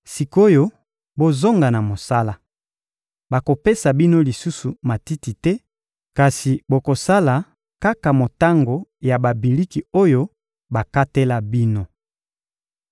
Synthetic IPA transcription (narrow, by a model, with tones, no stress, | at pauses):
si˨ko˦jo˦ | bo˦zo˦ŋɡa˨na˨mo˨sa˦la˦ | ba˨ko˨pe˦sa˨bi˦no˦li˨su˦su˨ma˨ti˦ti˨tɛ˦ | ka˨si˨bo˨ko˨sa˦la˨ | ka˦ka˨mo˨ta˦ŋɡo˨ja˨ba˨bi˨li˦ki˨o˦jo˦ | ba˨ka˦tɛ˦la˦bi˦no˦